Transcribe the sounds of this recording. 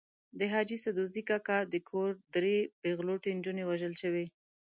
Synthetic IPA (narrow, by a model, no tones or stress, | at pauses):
d̪əɦɑd͡ʒisad̪uzikakad̪əkʰoɾd̪ɾebeɣloʈend͡ʒunewaʒəlʃəwe